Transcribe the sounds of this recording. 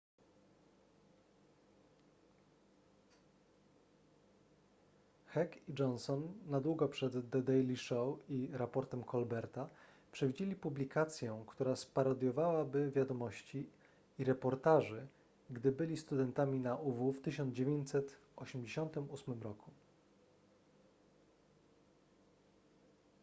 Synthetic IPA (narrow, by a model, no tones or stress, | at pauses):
xɛkid͡ʐɔnsɔnːad̪wuɡɔpʂɛd̪ːɛd̪ɛjlʲiʂɔwiɾapɔɾt̪ɛmkʰɔlbɛɾt̪a | pʂɛvʲid͡ʑelʲipublʲikʰat̪sʲjɛ̃kt̪uɾaspaɾad̪ʲjɔvawabɘvʲjad̪ɔmɔɕt͡ɕi | iɾɛpɔɾt̪aʐɘ | ɡd̪ɘbɘlʲist̪ud̪ɛnt̪amʲinaʔuvuft̪ɘɕɔnd̪zd͡ʑevʲjeɲt͡ɕsɛt̪ | ʔɔɕɛmd͡ʑeɕɔnt̪ɘmusmɘmɾɔku